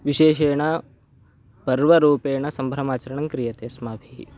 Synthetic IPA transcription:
ʋiʃeːʃeːɳ̃ɐ | pɐɾʋɐɾuːpeːɳɐsɐmbʱɾɐmaːt͡ʃɐɾɐɳɐŋkɾijɐt̪eːsmaːbʱiː

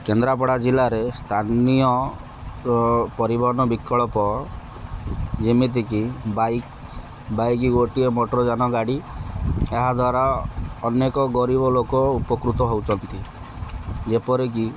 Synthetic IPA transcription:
kend̪ɾapɔɽad͡ʒilaɾest̪ʰanijɔ | pɔɾibɔɦɔnɔbikːɔɭɔpɔ | d͡ʒimit̪̬ikibajk | bajkiɡoʈiemoʈɔɾɔd͡ʒanɔɡaɽi | eɦad̪ʱwaɾaɔnekɔɡɔɾibɔlokɔupɔkɾut̪ɔɦowt͡ʃʰɔnt̪i | d͡ʒepɔɾek̬i

